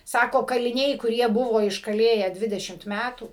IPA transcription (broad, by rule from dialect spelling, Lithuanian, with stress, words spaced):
ˈsɑːkoː kɐlʲɪˈnʲɛɪ kʊˈrʲiɛ ˈbʊʋoː ɪʃkɐˈlʲeːjæː ˈdʲʋʲɪdʲɛʃʲɪmt ˈmʲætuː